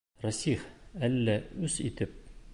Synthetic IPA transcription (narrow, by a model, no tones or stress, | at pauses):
rɑsiχælːæʉzit̪ɘp̚